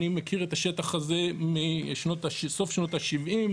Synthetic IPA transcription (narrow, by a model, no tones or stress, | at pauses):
nimekʰiʁet̪aʃetaχaze̞miʃno̞t̪aʃso̞fʃno̞t̪aʃivʔim